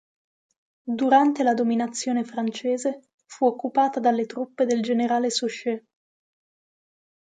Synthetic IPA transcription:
d̪uɾant̪elad̪ominat̪sːjoːnefɾant͡ʃeːze | fuokːupaːt̪ad̪alːet̪ɾupːed̪eld͡ʒeneɾaːlesuʃe

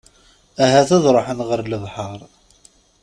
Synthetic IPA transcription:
æɦæθæðˤɾˤoħənʁəɾləðˤħɑɾˤ

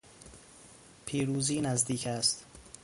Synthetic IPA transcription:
pʰiːɾuːziːnæzd̪iːkʰæst̪

